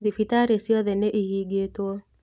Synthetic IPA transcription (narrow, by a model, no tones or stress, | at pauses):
difitaɾesjɔðɛneʔihiɡetwo